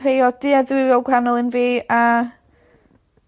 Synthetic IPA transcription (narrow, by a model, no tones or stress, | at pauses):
rejɔd̥iːaðɪɔlˠɡwranɔlˠənviːa